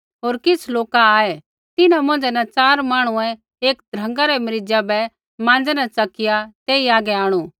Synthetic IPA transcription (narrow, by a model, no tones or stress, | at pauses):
ɦoːɾkɪt͡sʰloːkaaːɛ | t̪ɪnãmʊ̃ːnd͡ʒɛnɛt͡ʃaːɾmaːɽ̃uɛ̃ | eːkd̪ʱɾɐ̃ŋɡaɾɛmɐɾɪd͡ʒabɛ | mãːnd͡zɛnat͡sɐkɪjat̪eːiaːɡɛaːɽ̃u